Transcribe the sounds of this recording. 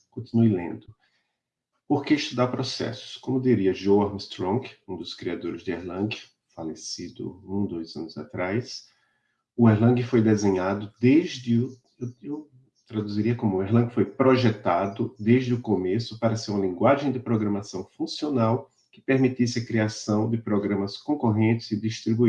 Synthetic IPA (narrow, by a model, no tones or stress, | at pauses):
kõt̪inuɪlḛ̃nd̪ʊ | poɾkeiʃt̪ud̪apɾosɛ̰sʊ̥skõmʊd̪iɾiɐʒowamɪst̪ɾõɡũd̪ʊskɾiad̪oɾɪzd̪ɪeɾlɐ̃ɡɪ | falesid̪ʊ̰ũd̪ojzɐ̰̃nʊza̰t̪ɾajs | ʊeɾlɐ̃ɡɪfojd̪ezẽɲad̪ʊd̪eʒd̪ɪʊ | wew | t̪ɾad̪uziɾiɐkõmʊʊeɦlɐ̃ɡɪfojpɾoʒɛt̪ad̪ʊd̪eʒd̪ɪʊkomesʊpaɾɐseɾũmɐlĩŋɡwaʒẽj̃d̪ɪpɾoɡɾɐ̃masɐ̃w̃fũsionaw | kɪ̥peɾmit̪isɪɐkɾiasɐ̃w̃d̪ɪpɾoɡɾɐ̃mɐskõkoɦẽnt̪ɪzɪd̪ist̪ɾibui